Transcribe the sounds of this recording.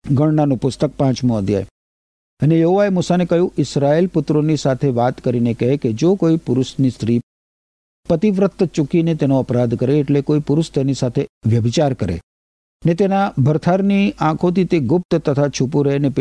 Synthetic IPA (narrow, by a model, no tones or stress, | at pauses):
ɡəɳnanũpʊst̪ək̚pãt͡ʃmũəd̪ja̰jḛ | ənejəɦoʋaemusanekəɦjũʔɪsɾaelpʊt̪ɾonisat̪ʰeʋat̪kəɾinekəɦeked͡ʒokoipʊɾʊʃnist̪ʰɾi | pət̪iʋɾət̪ːt͡ʃukinet̪enoəpɾad̪kəɾeːʈlekoipʊɾʊʃt̪enisat̪ʰeʋjəbit͡ʃaɾkəɾḛ | net̪enabʱəɾt̪ʰaɾniãkʰõt̪ʰit̪eɡʊp̚t̪t̪ət̪ʰat͡ʃʰupuɾeɦnep